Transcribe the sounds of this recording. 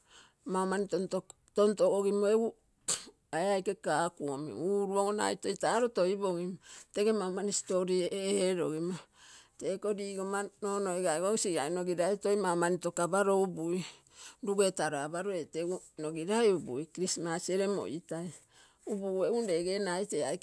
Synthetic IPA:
mamanitonto | tontoʔoɡimoeu | aeajke̞kakuo̰mḭuɾuoɡona̰ito̞jtaːɾo̞to̞iboɡimoteɡemamanisi̥to̞ɾieheɾoɡimoteko̞diːɡomanono̞jɡaɡosiɡa̰jno̞ɡiɾajto̞jmamanito̞kabaɾo̞ubuj | duɡe̞taɾoabaɾoe̞teɡuno̞ɡiɾajubṵjkɾismasie̞ɾe̞mo̰ʔitaj | ubueunde̞ɡe̞najteajk

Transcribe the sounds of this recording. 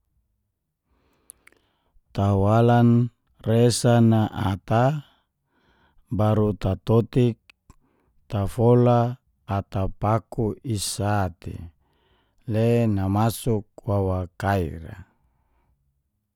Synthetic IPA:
t̪awalan | resanaʔat̪a | baɾut̪at̪ot̪ik̚ | t̪afolaː | t̪apakuisat̪ḛ | lenamasuk̚wawakaḭɾa̰

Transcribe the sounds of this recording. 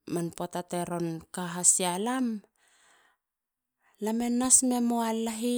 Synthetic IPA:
manpotateɾo̞nkaɦasialam | lame̞nːasme̞moalːaɦi

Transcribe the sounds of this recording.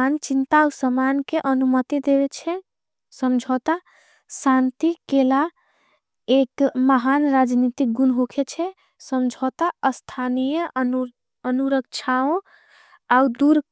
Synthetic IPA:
nt͡ʃint̪ausəmankeʔənumət̪id̪eβɛt͡ʃʰɛ | səmd͡ʒʱɔt̪a | sant̪ikela | ekməɦanɾad͡ʒnit̪ik̚ɡunɦokʰet͡ʃʰɛ | səmd͡ʒʱot̪aəst̪ʰanijə | ənuɾək̚t͡ʃʰaõ | aud̪uɾ

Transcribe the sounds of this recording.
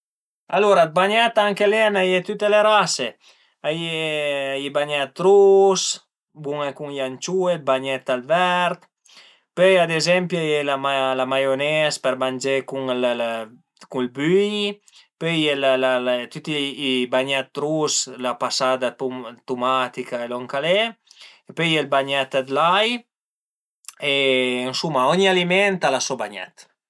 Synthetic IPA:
aloɾad̪̚baɲɛt̪aŋkeleanajet̪yt̪eleɾase | ajeaibaɲat̪ːɾus | buŋekuŋjant͡ʃued̪̚baɲɛt̪alvɛɾt̪ | pøjad̪ezɛmpjajelamalamajonɛspɛɾmand͡ʒekuŋl | kulbyɲi | pøjɛlalalt̪yt̪iibaɲɛt̪̚d̪ɾuslapasad̪at̪umat̪ikaeloŋkaleepøɛlbaɲɛt̪ad̪laj | eːnsumːaɔɲalimɛnt̪alasɔbaɲɛ̰t̪

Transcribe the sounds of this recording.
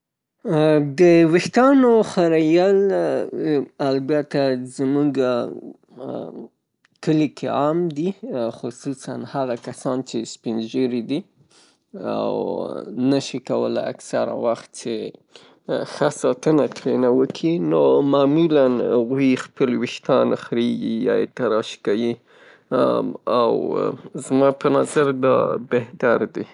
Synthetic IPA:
d̪əwɪxt̪ɑnoxaɾajal | albjat̪azəmuɡa | kəlikʰeamd̪ixʊsusanhaɣakasɑnt͡ʃespinʒəɾid̪i | a̰wnaʃikawə̰laa̰ksaɾa̰waxt̪̚t͡ʃe | xasɑt̪ənat̪ɾenawəkʰinomɑmulanaɣuixpəlwɪʃt̪ɑnxɾeɡijɑ̰jḛt̪aɾɑʃkawi | awzmɑpənazaɾd̪ɑ̰beht̪aɾd̪e

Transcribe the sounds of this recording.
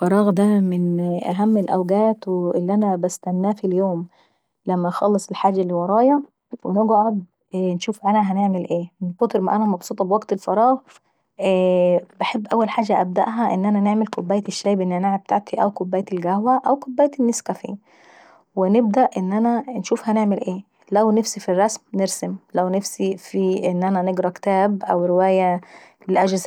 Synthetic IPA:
fɑɾˤɑːɣd̪æmɪnʔæ̰ɦæmːelʔæwɡæːt̪weʔelːiʔænæbæst̪ænːæːfiljoːm | læmːæxɑlːesˤelħaːd͡ʒːælːiwɑɾˤɑːjɑ | weneɡʕod̪̚ | nʃuːfʕalæɦæneʕmelʔeːmnfɑt̪eɾma̰ʔænæmɑbsˤuːt̪ˤɑbwæɡt̪elfɑɾˤɑːɣ | bɪħebːʔæwːælħaːʒæʔæb̚d̪æ̰ʔɦæʔɪ̰nːʔænæneʕmelkobːæːjt̪ʃːæjbʔenːʔænaʕab̚t̪aʕt̪ʰiʔæwkobːæːjt̪elɡæhwæʔæwkobːæːjt̪ɪnːɪskæfḭː | wɪnɪb̚d̪æʔʔɪnːʔænænʃuːfhæneʕmɪlʔeː | læwnæfsifirˤːɑsmneɾsemlæwnæfsifiʔenːʔænæneɡɾˤɑkt̪æːbʔæ̰wɾɪwæːjæ | lɪlʔæd͡ʒz

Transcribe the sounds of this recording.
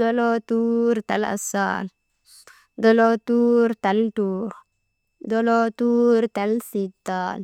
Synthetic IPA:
d̪olot̪urt̪ɛ̰la̰sa̰l | d̪ɔlot̪urt̪ɛlt̪uɾ | d̪olot̪urt̪ɛlsit̪al

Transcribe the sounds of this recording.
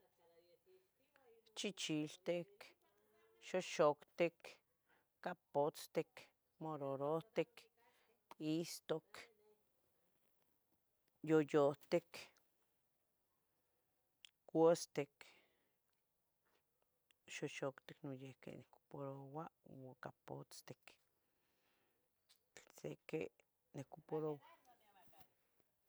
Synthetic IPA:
t͡ʃit͡ʃilt̪ek | ʃoʃokt̪ekː | apot͡st̪ek | moɾoɾot̪ek | ist̪ok | jojot̪ek | kʷost̪ek | ʃoʃokt̪eknojekḛneko̥poɾowawakapo̰t͡st̪e̥k | t͡ɬsḛkḛ | nekopoɾowa

